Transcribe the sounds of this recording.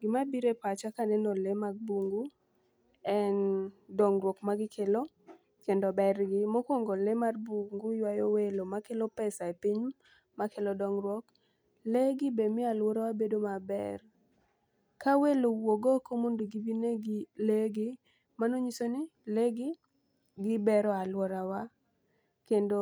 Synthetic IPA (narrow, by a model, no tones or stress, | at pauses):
ɡɪmabiɾepat͡ʃakanɛnolemaɡ̚buŋɡu | ɛndɔŋrwɔkmaɡɪkʰelo | kendɔbɛrɡɪmokwoŋɡolemarbuŋɡujwajowelomakelopɛsaepiɲ | makelɔdɔŋrwɔk | leɡɪbemɪalwɔɾawabedomabɛ̰r | kawelowoɡokomondoɡibineɡileɡɪ | manoɲisonɪleɡɪ | ɡɪbɛɾɔalwɔɾawa | kendo